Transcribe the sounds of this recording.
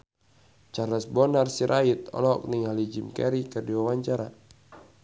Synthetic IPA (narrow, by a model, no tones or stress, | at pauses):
t͡ʃarlasbɔnarsiɾʔait̪̚ɔ̰lɔɔ̰k̚niŋalid͡ʒimkɛ̰ɾikərdiwawaɲt͡ʃaɾa